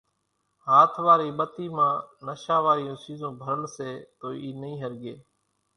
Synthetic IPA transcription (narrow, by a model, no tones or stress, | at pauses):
ɦaːt̪ʰʋaːɾiːɓət̪iːmãːnəʃãːʋaːɾɪjõːsiːzõːbʱəɾəlseːt̪oːiːnəĩːɦəɾɡeː